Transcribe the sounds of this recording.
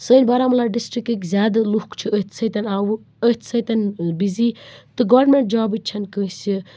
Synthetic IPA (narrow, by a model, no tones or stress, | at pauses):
sənʲbɐɾamɐlaːɖisʈɾikikzʲaːd̪luhkt͡ʃʰiət̪ʰsɐt̪ɐnʲaːw | ət̪ʰsɐt̪ɐnbizit̪ɨɡɐɾnmeɳʈ̚d͡ʒaːbit͡ʃʰɐnkəsʲi